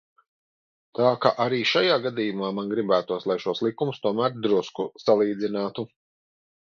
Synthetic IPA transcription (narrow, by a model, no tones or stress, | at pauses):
t̪aːkaʔaɾiːʃajaːɡad̪iːjumaːmanɡɾibæːt̪uɔslˠajʃuɔslˠikumust̪uɔmæːɾd̪ɾuskusalˠiːd̪zinaːt̪u